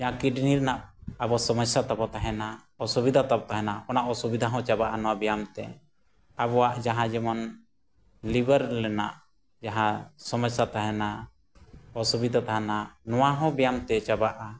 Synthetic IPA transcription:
d͡ʒaɦãkiɖniɾnaʔabɔasɔməsjat̪abɔt̪aɦɛna | ɔsubid̪ʱat̪ap̚t̪aɦɛnaʔɔnaʔɔsubid̪ʱaɦɔ̃t͡ʃabaʔanɔwabɛjamt̪ɛ̰ | abɔwaʔd͡ʒaɦãd͡ʒɛmɔn | libəɾlɛna̰ʔ | d͡ʒaɦãsɔməsat̪aɦɛna | ɔsubid̪ʱat̪aɦɛnanɔwaɦɔ̃bɛjamt̪ɛt͡ʃabaʔa

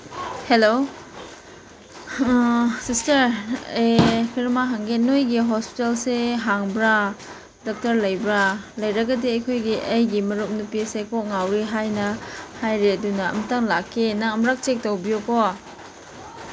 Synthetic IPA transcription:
helo | sistɐɾekʰiɾmaɦaŋɡenːojɡiɦɔspi̥telseɦaŋbɾa | dɔk̚tɐɾlɐjbɾalɐjɾɐɡɐdiɐjkʰojɡiʔɐjɡimɐɾup̚nupisekɔʔ̚ŋawɾiɦajnɐhajɾeɐdunɐɐ̰mtaŋlakːenaŋɐmɾak̚t͡ʃek̚tawbijoko

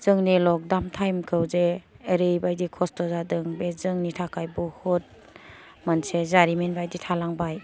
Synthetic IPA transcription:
z̥ɯŋnilɔk̚damtʰajmkʰɯwzeː | ɾɯjbajdikʰɔstɔzadɯŋbezɯŋnitʰakʰajbɔhɔt̚ | mansezaɾimenbajditʰalaŋbaj

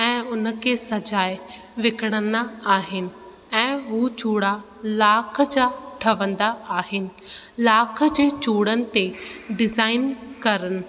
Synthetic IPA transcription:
ɛ̃ːʊnə̆kʰesɐd͡ʑaːe | ʋɪkəɽ̃ənd̪aaːɦɪnɪ̆ | ɛ̃ːɦuːt͡ɕuːɽa | laːkʰəd͡ʑaːʈʰɐʋə̃nd̪aaːɦɪnɪ̆laːkʰə̆d͡ʑeːt͡ɕuːɽənɪ̆t̪eɖɪzaːɪnkɐɾənɪ̆

